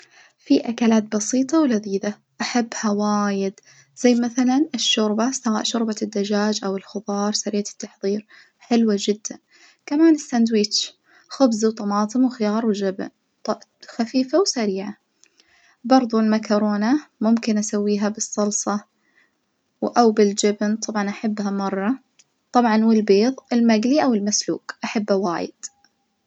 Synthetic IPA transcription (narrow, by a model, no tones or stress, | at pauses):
fiʔakalaːt̪̚bɑsiːt̪ˤɑwlaðiːd̪a | ʔaħabːhawaːjɪd̪ | z̥ajːmaθalanʔɪʃːʊɾbast̪aɣa̰ːʔʃʊɾbad̪ːad͡ʒaːd͡ʒʔawɪlxʊðˤɑːɾˤsaɾɪːʕat̪ːɑħðˤiːɾ | ħɪlwad͡ʒɪd̪ːan | kamaːnɪsːand̪wiːt͡ʃ | xʊbzwt̪ˤɑmɑːt̪ˤɨmwxɪjɑːɾˤwd͡ʒabn | t̪xafiːfawsaɾiːʕa | bɑɾˤðˤulmakɑɾoːnamʊmkɪnʔasawːiːɦabɨsˤːɑlsˤɑ | wʔawbɪld͡ʒabnt̪ˤɑbʕɑnʔaħabːhamɑrˤːɑ | t̪ˤɑbʕɑnwɪlbeːðˤɪlmaɡliʔawɪlmaslṵːkʔaħabːawa̰ːjɪ̰d̪̥